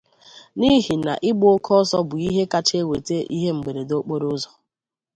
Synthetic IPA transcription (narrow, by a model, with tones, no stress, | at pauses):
ni˦ɦi˨na̰˨ʔɪ˦ɡ͡bʊ˦o˦kʰɔ˦sɔ˦bʊ˨i˦ɦe˦ka˦t͡ʃe˦we˨te˦ʔḭ˦ɦe˦ŋ͡m̩˨ɡ͡be˨ɾe˨do˦k͡po˦ɾo˦zɔ˨